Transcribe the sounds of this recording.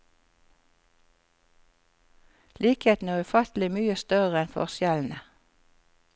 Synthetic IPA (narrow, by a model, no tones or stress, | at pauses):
liːkheːt̪n̩æːʁʉfɑt̪l̩ɪmyːəst̪œʁəɛnfɔ̰ʁsjɛln̩ə